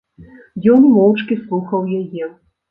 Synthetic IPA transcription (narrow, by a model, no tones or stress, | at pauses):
jɔnmɔwt͡ʂkʲislˠuxɐwjajɛ